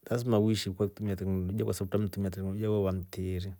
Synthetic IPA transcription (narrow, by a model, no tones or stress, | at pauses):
las̬mawiʃikwak̚tumiatɛknɔlɔia̰kasabutam̩tumiatɛknɔiawɔβam̩tiɾi